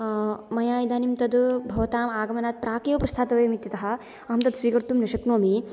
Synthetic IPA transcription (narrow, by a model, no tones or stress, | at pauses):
mɐjaːjɐd̪aːnimt̪ɐd̪bʱɐʋɐt̪aːmaːɡɐmɐnaːt̪̚pɾaːkejʋɐpɾɐst̪ʰaːt̪ɐʋeːmit̪jɐt̪ɐɦɐ̆ | ɐɦɐmt̪ɐd̪sʋiːkɐɾt̪umnɐʃɐknoːmi